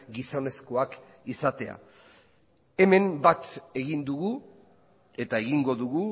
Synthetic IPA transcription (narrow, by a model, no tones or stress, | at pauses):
ɡiso̞ne̞sko̞ak | isat̪e̞a̰ | e̞me̞mbat̪e̞ɣind̪uɣu | e̞t̪ae̞ɣiŋɡo̞ðuɣu